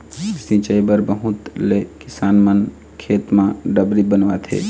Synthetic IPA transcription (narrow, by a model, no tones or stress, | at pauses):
sĩt͡ʃəibəɾbəɦut̪lekɪsaːnmən | kʰeːt̪mãɖəbɾibənʋat̪ʰḛː